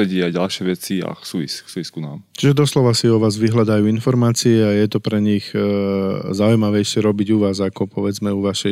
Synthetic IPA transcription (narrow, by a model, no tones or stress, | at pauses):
ɛɟiajɟalʃɪɛʋɛt͡sia̰ksuːʋḭsksuːʋiskuna̰ːmt͡ʃiʒɛd̪ɔslɔʋasiɔʋaːzʋiɦlad̪ajuːinfɔɾmaːt͡siɛajɛt̪ɔpɾɛɲiɣ | zaujmaʋɛjʃɛɾɔbiɟuʋaːzakɔpɔʋɛd͡zmɛuʋaʃɛ